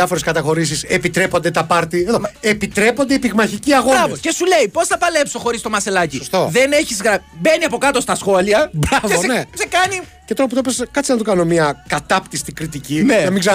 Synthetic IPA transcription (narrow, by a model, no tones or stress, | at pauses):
ɐfoɾeskɐt̪ɐxo̞ɾis̬isepit̪ɾe̞po̞nd̪e̞t̪ɐpɐɾt̪ieðoepit̪ɾe̞po̞nd̪e̞ipiɣmɐçiciɐɣoɾɐvoce̞sule̞ipo̞sθɐpɐle̞pso̞xo̞ɾist̪o̞mɐse̞lɐciost̪oðe̞neçizɣɾɐbe̞niɐpo̞kɐt̪o̞st̪ɐsxo̞liɐbɾɐvesnesekɐnicet̪oɾɐput̪op̬eskɐt̪t͡sinɐt̪okɐno̞miɐkɐt̪ɐpt̪ist̪ikɾit̪icinenɐmiɡze